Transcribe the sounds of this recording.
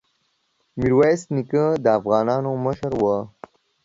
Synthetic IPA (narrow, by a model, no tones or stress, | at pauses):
miɾwajsnikəd̪əːfɣɑːnɑːnoməʃəɾwə